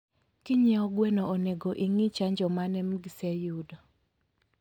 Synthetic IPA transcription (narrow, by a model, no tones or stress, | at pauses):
kiɲɛɔɡwɛnɔoneɡoʔiŋit͡ʃaɲd͡ʒɔmanɛmɡisɛjudɔ